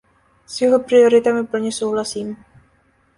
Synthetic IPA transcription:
sjuɦopɾioɾit̪amipəlɲɛsowɦlasim

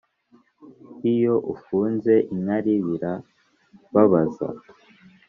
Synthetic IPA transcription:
ijo̞ʔufuːnze̞ʔiɲaɾiβiɾa | βaβaza̰

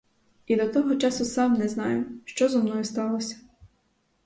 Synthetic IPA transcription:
id̪ɔt̪ɔɦɔt͡ʃɑsʊsɑmnɛznɑjʊʃt͡ʃɔzɔmnɔjʊst̪ɑlˠɔsʲɐ̥

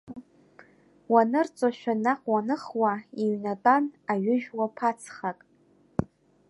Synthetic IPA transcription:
wanɨrt͡sʼaʃᶣanaχʷwanɨχwaiɥnatʼanaɥʏʒᶣwapʰat͡sʰχakʼ

